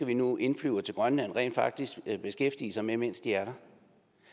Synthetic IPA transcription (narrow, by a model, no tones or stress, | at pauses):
æʋinuʔe̝nflyʊɐt͡sʰe̝lɡ̥ʁɶnnænʁɛ̰ːnd̥fɑ̈ɡ̥̚d̥isɡ̥b̥e̝sɡ̥efd̥ḭːəsɑ̈ɪmemen̰sd̥iæɐɾɑ̈